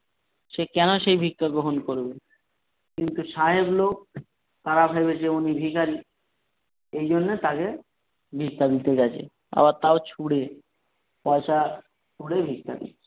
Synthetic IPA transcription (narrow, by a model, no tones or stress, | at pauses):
ʃekɛnoʃejbʱikːaɡɾoɦonkoɾbe | kint̪uʃaɦeblok̚ | t̪aɾabʱejbet͡ɕeunibʱikaɾi | ejd͡ʑonːet̪ake | bʱikːad̪it̪ed͡ʑat͡ɕʰḛ | a̰βaɾt̪aot͡ɕʰuɽe | pɔeʃa | t͡ʃʰuɽebʱikːa̰d̪ḭ